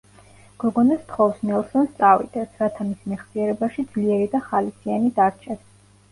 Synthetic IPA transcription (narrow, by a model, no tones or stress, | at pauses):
ɡ̥ɔɡɔnɛst̪ʰχɔfsnɛlˠsɔnst̪sʼavḭd̪̥ɛsʰɾat̪ʰamismɛχsiɛɾɛbaʃid̪zliɛɾid̪aχalisianid̪aɾt͡ʃʰɛs